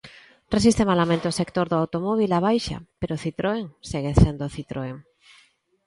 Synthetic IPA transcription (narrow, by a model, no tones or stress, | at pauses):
resist̪emalamẽnt̪eosekt̪oɾðoawt̪omoβ̞ilaβ̞ajʃa̰peɾoθit̪ɾoeŋseɣesend̪oθit̪ɾʔoeŋ